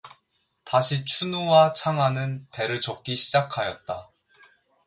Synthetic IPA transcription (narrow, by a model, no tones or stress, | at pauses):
taɕʰit͡ɕʰunowat͡ɕʰaŋɦanɯnpe̞ɾɯɭt͡ɕʌk̚k͈iɕʰid͡ʑakʰajʌt̚t͈a